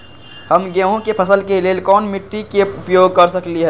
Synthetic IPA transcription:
hɐmɡẽɦõkepʰɐsəlkeleːlkɔːnmɪʈːikeʊpjoːɡ̚kɐɾsɐkliɦɛː

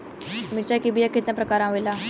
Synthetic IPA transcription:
mit͡ɕakibʱijaket̪nəpɾəkaɾãʋojla

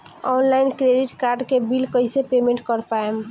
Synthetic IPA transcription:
ɔnlajnkɾeɖiʈkaɾɖkebilkəjsepemẽɳʈkəɾpaem

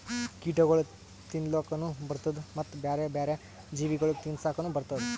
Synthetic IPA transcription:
kiːʈɐɡɐɭu | t̪inloːkɐnubɐɾt̪ɐd̪umɐt̪ːbaːɾebaːɾe | d͡ʒiːʋiɡɐɭukt̪insaːkɐnubɐɾt̪ɐd̪u

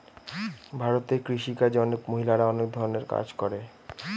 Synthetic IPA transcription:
bʱaɾot̪ekɾiʃikad͡ʑɔnekmoɦilaɾaɔnek̚d̪ʱɔɾoneɾka̰d͡ʑkɔɾe

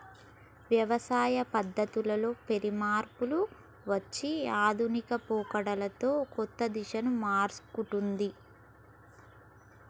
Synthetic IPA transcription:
ʋjɐʋɐsaːjɐpɐd̪ːɐt̪ulɐlo̞ːpeɾimaːɾpulu | ʋɐt͡ʃːiaːd̪ʱunikɐpuːkɐɽɐlɐt̪o̞ːkɔt̪ːɐd̪iʂɐnumaːɾskuʈund̪i

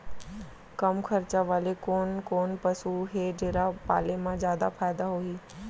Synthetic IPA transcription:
kɐmxʰɐɾt͡ɕaʋaːlekoːnkoːnpɐsuɦeːɖeːɾapa̰ːlemãzjaːd̪afaːɪd̪aɦoːiː

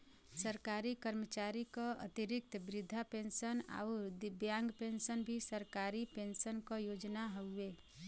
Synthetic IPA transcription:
səɾkaɾikəɾmət͡ʃaːɾikaə̰t̪iɾɪk̚t̪bɾɪd̪ʱːapẽnsəna̰ʊd̪bjãŋɡpẽnʃənbʱisəɾkaːɾipẽnsənkajoːd͡ʒnaɦəe

